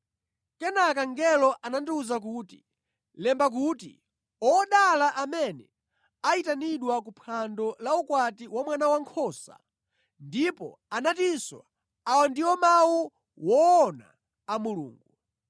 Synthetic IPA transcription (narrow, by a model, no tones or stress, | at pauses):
kɛnak̬aŋɡɛlɔʔanandiuzak̬uːti | lɛmbak̬utḭ | ɔɗalaʔamɛnɛ | aitaniɗwakupʰandɔlaukwatiwamwanawaŋkʰɔːsa̰ | ndipɔ̰ | anatinswa̰ | awɔndiwɔmawu | wɔːna̰ː | mulṵːŋɡu